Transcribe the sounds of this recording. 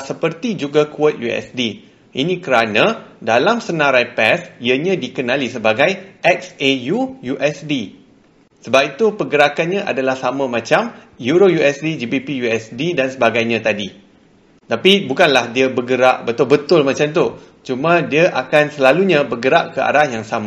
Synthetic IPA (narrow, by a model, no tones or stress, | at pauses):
səpərt̪id͡ʒuɡakuət̪̚juɛ̰sdi | ʔḭnĩkəɾanãdalamsənãɾajpɛsiəɲãdikənãlisəbaɡajʔɛksejujuʔɛsdi | səbap̚it̪upəɡəɾakanɲãʔa̰dalahsamãmãt͡ʃam | juɾojuɛsdid͡ʒibipijuɛsdidansəbaɡajɲãt̪adi | t̪apibukanlahdiabəɡəɾaʔbət̪ʊlbət̪ʊlmãt͡ʃamt̪u | t͡ʃumãdiaʔakansəlaluɲãbəɡəɾaʔkəa̰ɾahjaŋsamã